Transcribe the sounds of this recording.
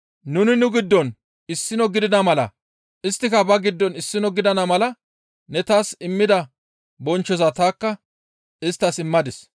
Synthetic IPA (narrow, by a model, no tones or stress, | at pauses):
nʊnɪnʊɡɪd̪ːɔn | ɪsːɪnɔɡɪd̪ɪnɐmɐlɐ̰ | ɪst̪ːɪkɐbɐɡɪd̪ːɔnɪsːɪnɔɡɪd̪ɐnɐmɐlɐ | nɛt̪aːsɪmːɪd̪ɐ | bɔnt͡ʃːɔzat̪aːkːɐ | ɪst̪ːɐsɪmːɐd̪ɪs